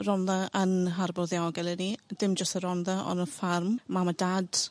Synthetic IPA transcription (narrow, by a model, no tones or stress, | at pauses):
rɔnðaənɦarbɔðjaɡɛlˠɛnid̥ɪmd͡ʒəstəɾɔnðaʔɔ̰nəfarmmamadad̥